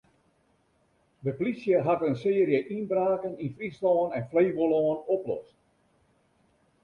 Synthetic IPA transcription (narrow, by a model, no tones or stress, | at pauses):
dəpolisjəɦatənsɪːrjəʔinbraːkəninfrislɔːnɛnfleːʋolɔːnoplɔ̰st